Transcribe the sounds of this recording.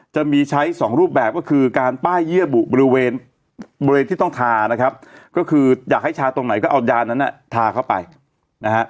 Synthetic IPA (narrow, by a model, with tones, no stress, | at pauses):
t͡ɕa˨˩miː˧t͡ɕʰa˦˥jsɔː˩˦ŋɾuː˥˩p̬̚bɛː˨˩p̚kɔː˥˩kʰɯː˧kaː˧npaː˥˩jːi˥˩əbu˨˩bɔː˧ɾi˦˥weː˧n | bɔː˧ɾe˧nt̪ʰiː˥˩t̪ŋt̪ʰaː˧na˦˥kʰɾa˦˥p̚kɔː˥˩kʰɯː˧jaː˨˩k̚ha˥˩jt͡ɕʰaː˧t̪o˧ŋna˩˦jkɔː˥˩ʔa˧wjaː˧nːa˦˥nʔa̰˨˩t̪ʰaː˧kʰa˥˩wpa̰˧j | na˦˥ha˦˥ʔ